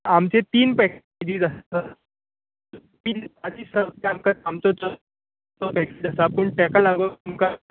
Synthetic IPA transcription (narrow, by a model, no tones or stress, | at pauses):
amt͡ɕet̪iːnpɛk | d͡ʑiːd͡zasa | pinad͡ʑiːsəamkaamt͡sɔt͡sə | t̪ɔpɛked͡zasapəɳʈɛkalaɡʋəmka